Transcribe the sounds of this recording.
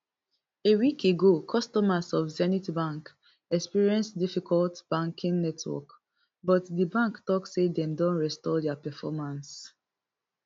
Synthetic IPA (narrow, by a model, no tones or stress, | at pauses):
ewikeɡokʰɔstɔmasɔfzɛnitibãŋk | ɛkspiɹiɛ̃nsdifikɔltb̥ãŋkĩŋnɛtʰwɔ̰k | bɔtdibãŋktɔkssedɛ̃mdɔ̃nɹɛstɔdɛapɛfɔmãns